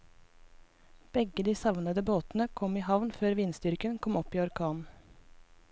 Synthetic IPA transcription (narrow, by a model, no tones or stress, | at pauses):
b̥ɛɡəd̪iːsɑʋnəd̪əboːt̪n̩əkʰɔmiːhɑʋnføːɾʋiːnsd̪ʏɾkənkʰɔmɔpiːɔɾkʰɑːn